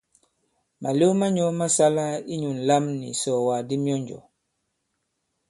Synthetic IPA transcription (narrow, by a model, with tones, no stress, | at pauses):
ma˨lo˦ma˦ɲɔ˦ma˦sa˦la˦i˦ɲu˨n˨la˦mnḭ˨sɔ˨wa˨di˦mjɔ˦ɲd͡ʒɔ̰˨